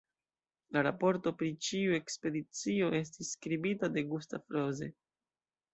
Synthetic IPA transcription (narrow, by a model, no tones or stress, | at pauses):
laɾapo̞ɾto̞pɾit͡ʃiue̞kspe̞dit͡sio̞e̞s̬tisːkɾibitade̞ɡustafɾo̞ze̞